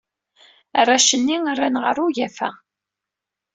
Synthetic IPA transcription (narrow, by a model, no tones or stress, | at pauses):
rˤːaʃənːirˤːanʁə̰ɾˤʊʝæfæ̰